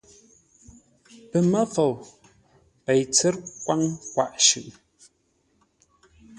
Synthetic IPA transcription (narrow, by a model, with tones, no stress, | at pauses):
pə˨mə˦fo˨w | pɛ˨jt͡sɛ˦ɾkwa˦ŋkwa̰˨ʔʃʉ̰˨ʔ